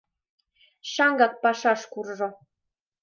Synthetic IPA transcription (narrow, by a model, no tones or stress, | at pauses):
ʃɑŋɡɑk̚pɑʃɑʃkurʒɤ̆